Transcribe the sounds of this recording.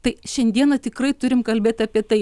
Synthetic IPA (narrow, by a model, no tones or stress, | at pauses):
t̪ɐɪʃʲɛnʲd̪ʲiɛnɐt̪ʲɪkɾɐɪt̪ʊɾʲɪmkɐlʲbʲeːt̪ʲɐːpʲiɛt̪ɐɪ